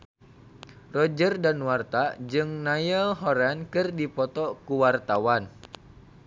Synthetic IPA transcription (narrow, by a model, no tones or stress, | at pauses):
rɔd͡ʒərdanwart̪ad͡ʒɨŋnajəlɦɔɾɛnkɨrdipɔt̪ɔkuwart̪awan